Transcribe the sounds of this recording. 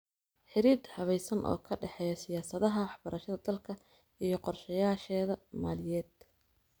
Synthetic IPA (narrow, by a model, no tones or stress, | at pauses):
ħɪɾiːd̪hɐβɛjsɐnʔɔ̰ːkʰɐɖɛħɛjɐsɪjaːsɐðɐɦɐwɑħbɐɾʔɐʃɐðɐd̪ɐlkʰɐ | ʔijɞqɔrʃɐjaːʃɛːðɐmaːlɪjɛːd̪̥